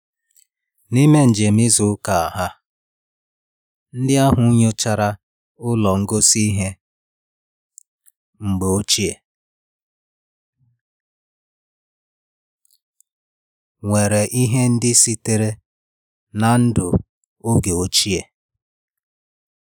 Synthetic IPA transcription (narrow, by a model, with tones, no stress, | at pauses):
ni˦me˦n̩˨d͡ʒe˨mi˦zʊ˨˦ka˨a˨ɦa˦ | n̩˦dɪ˦a˦ɦʊ˨˦ɲo˦t͡ʃa˨ɾa˦ | ʊ˦lɔ˨ŋ̩˦ɡo˦si˦i˦ɦe˦ | ŋ͡m̩˨ɡ͡be˨o˦t͡ʃi˦e˨ | ŋʷe˨ɾe˨ʔi˦ɦe˦n̩˦dɪ˦si˦te˨ɾe˦ | na˨n̩˦dʊ˨ | o˦ɡe˨o˦t͡ʃi˦e˨